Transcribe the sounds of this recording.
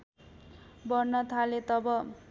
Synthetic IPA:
bʌrnʌt̪ʰalet̪ʌbʌ

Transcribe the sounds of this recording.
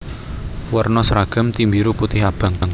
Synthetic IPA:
wərnɔsɾaɡ̥a̤mt̪imbiɾuput̪ɪɦab̥a̤ŋaŋ

